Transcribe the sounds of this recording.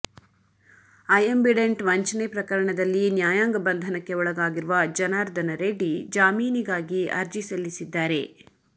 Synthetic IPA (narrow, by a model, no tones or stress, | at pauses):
ɐjɐmbiɖeɳʈʋɐɲt͡ʃɐnepɾɐkɐɾɐɳɐd̪ɐlːinjaːjaːŋɡɐbɐnd̪ʱɐnɐkːe̞ɔɭɐɡaːɡiɾuʋɐd͡ʒɐnaːɾd̪ɐnɐɾeɖid͡ʒaːmiːniɡaːɡiɐɾd͡ʒisɐlːisid̪ːaːɾe̞